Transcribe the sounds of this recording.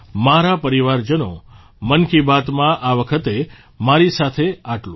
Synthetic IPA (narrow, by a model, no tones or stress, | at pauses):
maɾapəɾiʋaɾd͡ʒəno̰ | mənkibat̪mãʔaʋəkʰət̪e | maɾisat̪ʰeaʈlo